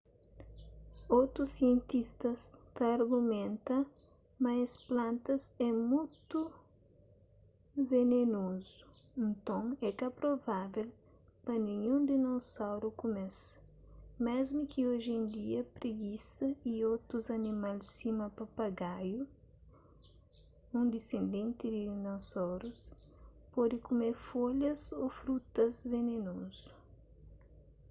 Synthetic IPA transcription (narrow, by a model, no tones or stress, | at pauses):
owt̪ɾusiẽnt̪ist̪ɐst̪ɐːɾɡumẽnt̪ɐ | mɐɐsplãnt̪ɐzɛmujt̪u | venenozuẽnt̪õŋɛkɐpɾovavel | pɐnĩɲũnd̪ɪnosawɾukumɛsɐ̥ | mezmukʰioʒẽnd̪iɐpɾiɡisɐiot̪ɾuzɐnimalsimɐpɐpɐɡaju | ũnd̪isẽnd̪ẽnt̪ɪd̪inosɔwɾus | pɔd̪ɪkumeɾfoʎɐzofɾut̪ɐzvenenozu̥